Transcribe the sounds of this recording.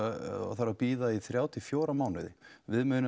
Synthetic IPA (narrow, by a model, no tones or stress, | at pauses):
a̰θaɾapiːðaiθɾjaːwt̪ʰɪfjoːwɾamaːwnɪðɪvɪðmʏːnɪ